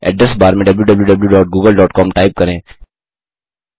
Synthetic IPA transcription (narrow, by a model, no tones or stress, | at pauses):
ɛ̰ːʈ̚ɖɾɐsbaːɾmẽɖɐbljuɖɐbljuɖɐbljuɖɔːʈ̚ɡuːɡəlɖɔːʈkɔːmʈaːɪp̚kɐɾẽː